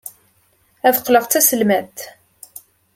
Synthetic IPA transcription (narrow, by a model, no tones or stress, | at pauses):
æðqləʁt̪t͡sːæsəlmæt̪